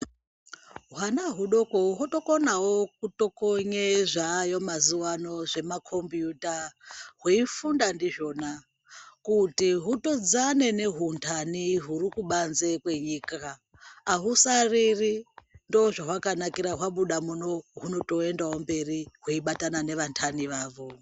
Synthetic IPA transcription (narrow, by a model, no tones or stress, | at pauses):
ɦwanaɦuɗo̞koɦoto̞konawokuto̞koɲeʐajo̞mazuwano̞ʐe̞makʰo̞mbjutaɦwuifundandiʒo̞na | kutiɦuto̞d͡zane̞ne̞ɦuntʰaniɦurikuɓanze̞kwe̞ɲikaː | ɦusaririndoːʐaɦwakanakiɾaɦwaɓuɗamuno̞ɦuno̞to̞e̞ndawombe̞riɦuiɓatanane̞ʋantʰaniʋaːʋo̞